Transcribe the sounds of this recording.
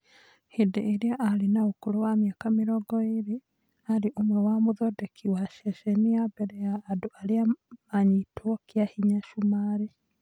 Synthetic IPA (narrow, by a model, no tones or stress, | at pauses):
hedeʔeɾeaʔaɾenaokoɾowameakameɾɔɡɔeɾe | aɾeʔomwɛwamoðɔdɛkʰiwaʃɛʃɛniabɛɾɛjaːdoʔaɾeamaɲitʰwɔkeahiɲaʃumaːɾe